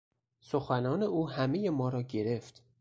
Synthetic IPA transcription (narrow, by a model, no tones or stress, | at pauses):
soxænɒːne̞uːhæmeje̞mɒːɾɒːɟe̞ɾe̞ft̪